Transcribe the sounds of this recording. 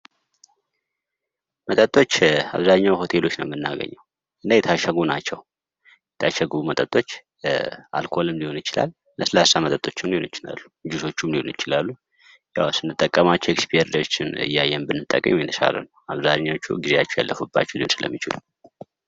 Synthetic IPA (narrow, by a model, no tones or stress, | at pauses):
mət̪ʼət̪ʼːo̞t͡ʃːa̰βzaɲːawho̞t̪ʰe̞lo̞t͡ʃːnəwmɨnːa̰ɡə̰ɲːəw | ʔɨnːajɛt̪ʰaʃəɡunat͡ʃːɛw | jɛt̪ʰaʃəɡɨβumət̪ʼət̪ʼo̞t͡ʃː | a̰lkʰo̞lɨmliho̞nɨt͡ʃɪla̰lːəsɨlasamət̪ʼət̪ʼo̞t͡ʃːɨmlihonɪt͡ʃɪla̰lːud͡ʒuso̞t͡ʃːumliho̞̰nit͡ʃɪlalːu | jawsɨnːɨt̪ʼːəkʼːəmat͡ʃːɛwekspʰieɾd̪ət͡ʃːɪnɨ̰jːajːɛnbɨnːɨt̪ʼːəkʼːmujɪnɨsa̰lə̰nəwaβzaɲːawt͡ʃːṵɡizejat͡ʃːɛwja̰lːəfubːa̰t͡ʃːɛwd̪ɨnsɨlə̰mːit͡ʃɪ̰lu